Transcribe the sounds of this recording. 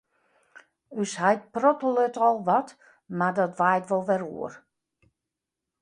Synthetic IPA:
yshajt̚prɔtəlˠøtɔlˠʋɔt | madɔtʋajtʋɔlˠʋɛrṵər

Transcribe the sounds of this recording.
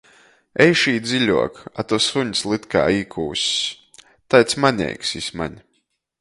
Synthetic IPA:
ɛjʃiːd̪zilʲuɔkat̪usuɲslˠit̪ka̰ːiːkʰuːsʲ | t̪ajt̪smaɲʲɛ̰jksisʲma̰ɲʲ

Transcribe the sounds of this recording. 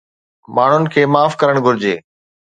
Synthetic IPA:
maːɳ̤ʊnɪ̆kʰeːmaːfkɐɾəɽ̃ɡʱʊɾɪd͡ʑḛː

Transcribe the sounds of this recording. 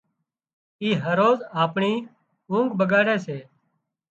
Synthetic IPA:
iːɦəɾoːzaːpɳiː | ũːŋɡbəɡaːɾɛːseː

